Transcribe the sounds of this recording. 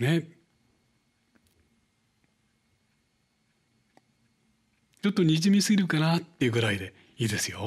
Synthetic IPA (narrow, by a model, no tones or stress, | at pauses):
ne | t͡ɕo̞t̪ːo̞ɲ̟iʑimʲisɨɡʲiɾɯ̟kanat̪ːe̞jɯ̟ɡɯ̟ɾaid̪e̞ | iːd̪e̞sɨjo̞